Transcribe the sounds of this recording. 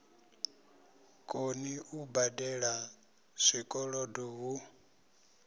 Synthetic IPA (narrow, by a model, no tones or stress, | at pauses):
kʼoniʔubadɛɺa | sʷikʼɔɺɔdɔɦu